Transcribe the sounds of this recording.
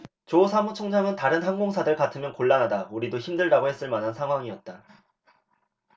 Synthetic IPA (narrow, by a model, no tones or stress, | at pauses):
t͡ɕosʰamut͡ɕʰoŋd͡ʑaŋɯntaɾɯnɦanɡoŋsʰadɯɭkatʰɯmjʌnkoɭːanɦadauɾidoçimdɯɭdaɡohe̞s͈ɯɭmanɦansʰaŋɦwaŋiʌt̚t͈a